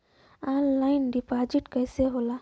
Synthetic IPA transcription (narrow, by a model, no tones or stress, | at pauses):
anlajnɖipad͡ʒiʈkajseɦola